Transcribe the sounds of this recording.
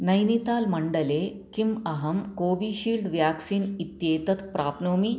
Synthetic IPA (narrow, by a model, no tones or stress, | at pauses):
nɐjnit̪aːlmɐɳɖəle | kimɐɦɐmkoːʋiɕiːlɖʋjaksiːnit̪jeːt̪ɐt̪pɾaːpnoːmi